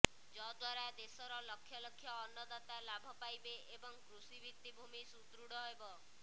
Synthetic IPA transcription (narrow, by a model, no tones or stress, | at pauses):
d͡ʒɔd̪waɾad̪esɔɾɔlɔkʰːjɔlɔkʰːjɔːnːɔd̪at̪alabʱɔpajbeebɔŋkɾusibit̪ːibʱumisut̪ɾuɽɔɦebɔ